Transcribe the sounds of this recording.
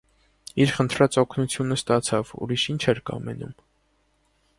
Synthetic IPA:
iɾχənt̪ʰɾɑt͡sɔkʰnut͡sʰjunəst̪ɑt͡sʰɑvṵɾiʃint͡ʃʰɛɾkɑ̰mɛ̰nṵm

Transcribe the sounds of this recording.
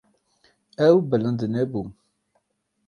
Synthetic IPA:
æwbələnd̪ənɛbu

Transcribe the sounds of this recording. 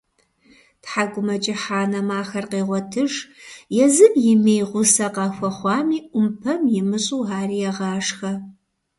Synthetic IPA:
tħaɡʷʊmɐt͡ʃʼɪħaːnɐmaːxɐrqeːʁʷɔtʰɨʒjɛzɨbjɪmejʁʷʊsɐqɑːxʷɐχʷɑːmiːʔʷʊmpʰɐmjɪmɨɕʼuːɦaːriːjɛʁɑːʂxɐ

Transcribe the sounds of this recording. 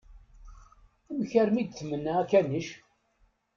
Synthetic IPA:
æmçəɾmid̪̚θmənːæækænəʃ

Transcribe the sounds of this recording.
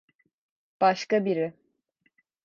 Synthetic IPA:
b̥aʃkabiɾi

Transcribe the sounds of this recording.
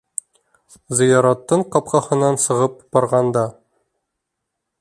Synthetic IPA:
zɤ̆jɑɾɑt̪ːɤɴqɒp̚qɑhɤ̆nːɑnsɤ̆ʁɤp̚b̥ɒɾʁɑnd̪ɑ

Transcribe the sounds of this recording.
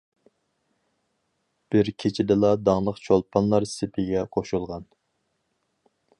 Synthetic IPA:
b̥ɪɾkʲʰet͡ʃʰɪd̪ɨlˠɑd̪ɑŋlˠəqt͡ʃʰolˠpʰɑnlˠɑɾsɪpʰɪɡʲɛqʰoʃulˠʁɑn

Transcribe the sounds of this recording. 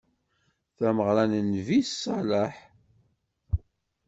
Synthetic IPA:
θæməʁɾænənvisælaħ

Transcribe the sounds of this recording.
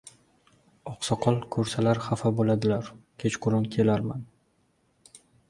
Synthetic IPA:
ɒqsɒqʰɒlˠkʰɵɾsalaɾχafabolad̪ɪlaɾkʲʰet͡ʃqʰʊɾʊnkʲʰe̞laɾman

